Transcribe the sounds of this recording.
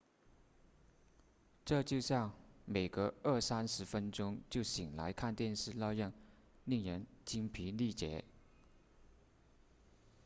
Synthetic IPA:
ʈ͡ʂɤ˥˧t͡ɕjo˥˧ʊɕjɑ˥˩ŋme˨˩ɪɡə˧˦ə˥˩sa˥nʂɻ̩˧˥fə˥nʈ͡ʂʊ˥ŋt͡ɕjo˥˩ʊɕi˨˩ŋla̰˧˥ɪkʰa˥˧nt̪jɛ˥˧nʂɻ̩˥˧lɑ˥˧ʊjɑ˥˩ŋ | li˥˩ŋɻə˧˥nt͡ɕi˥ŋpʰi˧˥li˥˩t͡ɕjɛ̰˧˥

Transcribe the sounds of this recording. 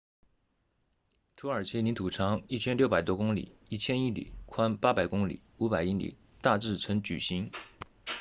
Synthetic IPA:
t̪ʰu˧˥ə˞˨˩t͡ɕʰɛ˥ni˧˥t̪ʰu˨˩ʈ͡ʂʰɑ˧˥ŋi˥˩t͡ɕʰjɛ˥nljʊpa˨˩ɪt̪wɔ˥kʊ˥ŋlḭ˨˩˦i˥˩t͡ɕʰjɛ˥ni˥˩lḭ˨˩˦kʰwa˥npa˥pa˨˩ɪkʊ˥ŋlḭ˨˩˦u˧˥pa˨˩ɪi˥˩lḭ˨˩˦ | t̪a˥˧ʈ͡ʂɻ̩˥˩t͡sʰə˧˥nt͡ɕy̰˨˩ɕi˧˥ŋ

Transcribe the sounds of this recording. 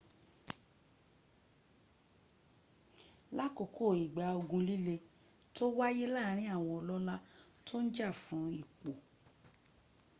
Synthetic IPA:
la˦ko˨kʰo˦˨i˨ɡ͡ba˨˦o˧ɡũ˧li˦le˧ | to˦wa˦je˦la˦˨˦ɾ̃ĩ˦a˦˨w̃ɔ̃˧ɔ˧lɔ˦la˦to˦n̩˦d͡ʒa˦˨fũ˨˦i˦˨k͡po˨

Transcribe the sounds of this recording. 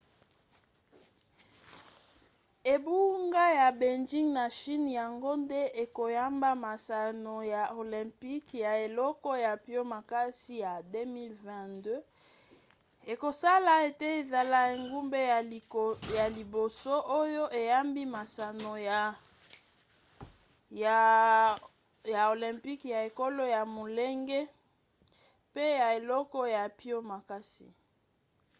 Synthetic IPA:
e˨bu˦ŋɡa˦ja˨be˨nd͡ʒi˦ŋna˨ʃi˦n˨ja˨ŋɡo˦nde˦e˨ko˨ja˦mba˦ma˨sa˨no˨ja˨o˨lɛ̃˨mpi˦kja˨e˨lɔ˦kɔ˦ja˨pjo˦ma˨ka˦si˦ja˨de˦mi˦lvɛ̃˨ndø˦ | e˨ko˨sa˦la˨e˨te˦e˨za˨la˦e˨ŋɡu˦mbe˦˨ja˨li˨bo˨so˦ʔo˦jo˦ʔe˨ja˦mbi˦ma˨sa˨no˨ja˨ | ja˨o˨lɛ̃˨mpi˦kja˨e˨ko˦lo˦ja˨mo˨le˦ŋɡe˦ | pe˦ja˨e˨lɔ˦kɔ˦ja˨pi˦o˦ma˨ka˦sḭ˨

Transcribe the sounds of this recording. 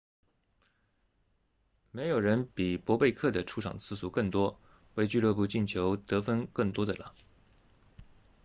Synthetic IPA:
me˧˥ɪjo˨˩ʊɻə˧˥npi˨˩pwɔ˧˥pe˥˧ɪkʰɤ˥˩d̪ə˩ʈ͡ʂʰu˥ʈ͡ʂʰɑ̰˨˩ŋt͡sʰɹ̩˥˧su˥˩kɤ˥˩ŋt̪wɔ˥ | we˥˧ɪt͡ɕy˥˧lɤ˥˧p̬u˥˧t͡ɕi˥˩nt͡ɕʰjo˧˥ʊt̪ɤ˧˥fə˥nkɤ˥˩ŋt̪wɔ˥d̪ə˨˩la̰˨˦

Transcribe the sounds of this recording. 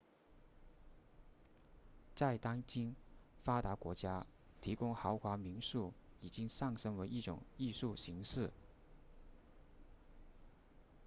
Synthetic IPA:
t͡sa˥˩ɪt̪ɑ˥ŋt͡ɕi˥nfa˥t̪a˧˥kwɔ̰˧˥t͡ɕja˥ | t̪ʰi˧˥kʊ˥ŋxɑ˧˥ʊxwa˧˥mi˧˥nʂu˥˩i˨˩t͡ɕi˥ŋʂɑ˥˩ŋʂɤ˥ŋwe˧˥ɪi˥˩ʈ͡ʂʊ̰˨˩ŋi˥˧ʂu˥˩ɕi˧˥ŋʂɻ̩˥˩

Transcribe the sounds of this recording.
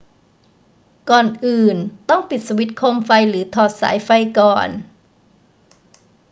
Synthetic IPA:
kɔː˨˩nʔɯː˨˩nt̪ɔ˥˩ŋpi˨˩t̪̚sa˧wi˦˥t̪̚kʰo˧mfa˧jɾɯː˩˦t̪ʰɔː˨˩t̪̚sa̰ː˩˦jfa˧jkɔː˨˩n

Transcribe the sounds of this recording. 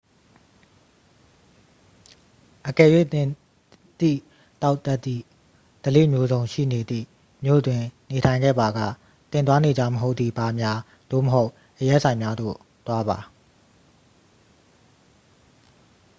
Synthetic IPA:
ʔəkɛ˨jwḛ˦˨ | t̪ḭ˦˨ | t̪a˦ʊʔt̪ɛ˦t̪ːḭ˦˨ | d̪̥əlḛ˦˨mjo˦zõ˨ʊ̃ʃḭ˦˨ne˨d̪ðḭ˦˨ | mjo̰˦˨dwɪ̃˨ne˨tʰã˨ɪ̃ŋɡɛ̰˦˨ba˨ɡa̰˦˨ | t̪ɪ̃˨nt̪wa˦ne˨d͡ʑa˦˨məɦo˦ʊt̪ðḭ˦˨ba˨mja˦ | d̥o̰˦˨məɦo˦ʊʔ | ʔəjɛ˦ʔsʰã˨ɪ̃mja˦d̪o̰˦˨ | t̪wa˦βa˨

